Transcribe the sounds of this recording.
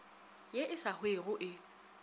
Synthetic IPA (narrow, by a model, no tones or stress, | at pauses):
jeʔɪsahweɣʊʔɪ